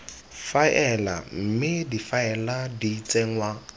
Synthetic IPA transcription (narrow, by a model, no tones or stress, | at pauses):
faɛla̰m̩mɪdifaɛladiit͡sʼeŋ̩wa